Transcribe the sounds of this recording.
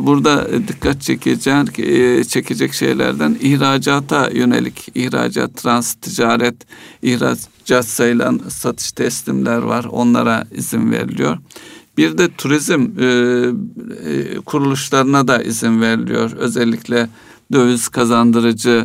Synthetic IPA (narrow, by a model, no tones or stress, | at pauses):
buɾd̪ad̪ikʰːat̪̚t͡ʃʰɛcʰed͡ʒɛnt͡ʃʰecʰe̞d͡ʒɛcʃḛjlʲæ̰ɾd̪ænihɾaːd͡ʒaːt̪ʰajø̞ne̞̰lʲicʰiçɾa̰ːd͡ʒa̰t̪ʰːɾanst̪ʰid͡ʒaːɾɛt̪içɾa̰ | d͡ʒatsajɯlˠa̰nsat̪ʰɯ̥ʃt̪ʰɛslʲimlʲæɾva̰ɾo̞̰nlˠa̰ɾaizinvḛɾḭlʲḭjo̞ɾb̥iɾd̪ɛt̪ʰuɾizm | kʰuɾulˠuʃlˠaɾɯnad̪aʔizinvɛɾilʲḭjo̞ɾø̞zɛlʲːicʰlʲɛ | d̪øvyz̥kʰazand̪ɯɾɯd͡ʒɯ